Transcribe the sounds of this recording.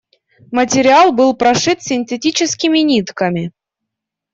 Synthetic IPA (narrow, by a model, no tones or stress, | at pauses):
mətʲɪɾʲialˠbɨlˠpɾaʂɨt̪sʲɪnʲtʲetʲit͡ɕɪskʲimʲinʲit̪kamʲi